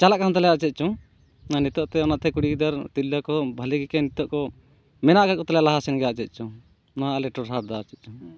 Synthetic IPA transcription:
t͡ʃalaʔkant̪alɛjaʔt͡ʃɛt̪̚t͡ʃɔ̃ | nanit̪ɔʔt̪ɛɔnaʔt̪ʰɛkuɽiɡid̪aɾt̪ilːakɔbʱaliɡɛkɛnit̪ɔʔkɔ | mɛnaʔɡaɾ̚kɔt̪alɛjalaɦasɛnɡɛjaʔt͡ʃɛt̪̚ˀt͡ʃʰɔ̃ | nɔɦaʔalɛʈɔɾɦad̪at͡ʃɛt̪̚ˀt͡ʃu

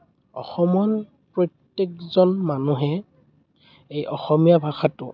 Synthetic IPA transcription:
ɔ̰xɔmɔn | pɹɔtːek̚zɔnmanuɦɛ | ejʔɔxɔmijabʱaxatʊ̰

